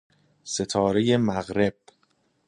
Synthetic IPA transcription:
se̞t̪ʰɒːɾe̞je̞mæɣɾe̞b̥̚

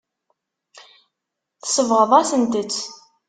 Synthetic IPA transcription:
θə̥səvʁəðˤæsənt̪ət͡sː

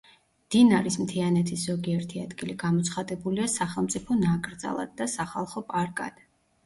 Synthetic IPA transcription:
d̪̥inaɾismt̪ʰianɛt̪ʰisz̥ɔɡiɛɾt̪ʰiad̪ɡiliɡamɔt̪sʰχad̪ɛbuliasaχɛlˠmt̪sʼipʰɔnakʼɾd̪za̰lˠa̰d̪̚ːasaχalˠχɔpʼaɾkʼa̰d̪̥

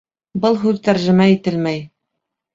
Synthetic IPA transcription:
bɤlˠɦʉðt̪æɾʒɘ̆mæit̪ɘlmæj

